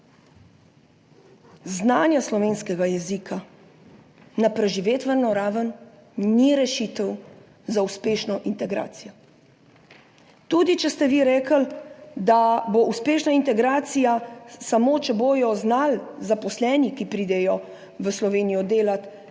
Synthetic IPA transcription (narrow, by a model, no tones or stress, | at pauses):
znaːnjaslɔʋeːnskɛɡajɛzikʰa | napɾɛʒiʋeːt̪ʋəɾnɔɾaːʋənː | iɾɛʃit̪əw | zauspeːʃnɔʔint̪ɛɡɾa̰ːsijɔ | t̪ud̪it͡ʃɛst̪ɛʋiɾɛːkəld̪aboʔuspeːʃnaint̪ɛɡɾaːt̪sijasamoːt͡ʃɛboːjɔznalzapɔslɛːnikipɾiːd̪ɛjɔ | ʋəslɔʋeːnijɔd̪eːlat̪